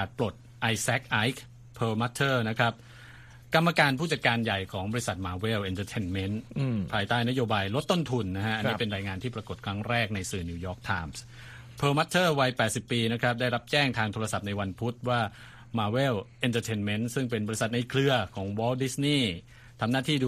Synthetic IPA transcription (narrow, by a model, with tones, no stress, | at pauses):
kaː˨˩t̪̚pɾo˨˩t̪̚ | ʔa˧jsɛ˦˥k̚ʔa˦˥jk̚ | pʰɤː˧ma˦˥t̪ʰːɤː˥˩na˦˥kʰɾa˦˥p̚ | ka˧mːa˧kaː˧npʰuː˥˩t͡ɕa˨˩t̪̚kaː˧nja˨˩jkʰɔː˩˦ŋbɔ˧i˦˥sa˨˩t̪̚maː˧we˥˩wʔe˧nt̪ʰəː˧t̪ʰe˧nme˦˥npʰaː˧jt̪aː˥˩jna˦˥joː˧baː˧jlo˦˥t̪ːo˥˩nt̪ʰu˧nːa˦˥kʰa˦˥ʔa˧niː˦˧˥pe˧nɾaː˧jŋaː˧nt̪ʰiː˥˩pɾa˧ko˨˩t̪̚kʰɾa˦˥ŋɾɛː˥˩k̚na˧jsɯː˨˩niː˧jɔː˦˥k̚t̪ʰaː˧ms | pʰɤː˧ma˦˥t̪ʰːɤː˥˩wa˧jpɛː˨˩t̪̚si˨˩pːiː˧na˦˥kʰɾa˦˥p̚da˥˩jɾa˦˥p̚t͡ɕɛː˥˩ŋt̪ʰaː˧ŋt̪ʰoː˧ɾa˧sa˨˩p̚na˧jwa˧npʰu˦˥t̪̚waː˥˩ | maː˧we˥˩wʔe˧nt̪əː˧t̪ʰe˧nme˦˥nsɯ˥˩ŋpe˧nbɔː˧ɾi˦˥sa˨˩t̪̚na˧jkʰlɯ˧ɐkʰɔː˩˦ŋwɔː˦˥wdi˦˥sniː˥˩ | t̪ʰa˧mnaː˥˩t̪ʰiː˥˩